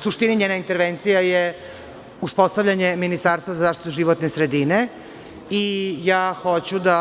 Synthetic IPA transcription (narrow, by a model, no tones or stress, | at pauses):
suʃt̪iniɲeːnaint̪eɾʋent̪sijaje | uspo̞st̪avʎaɲeminist̪aːɾst̪vazazaːʃt̪it̪uʒiʋot̪nesɾed̪ine | ijaːxo̞t͡ɕud̪a